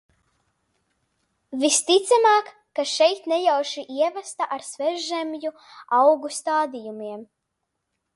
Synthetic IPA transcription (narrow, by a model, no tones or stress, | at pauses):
vist̪it̪sɛmaːkːaʃɛjt̪nɛjawʃiʔiɛvast̪aʔaɾsvɛɾʒʒɛmju | awɡust̪aːd̪ijumiɛm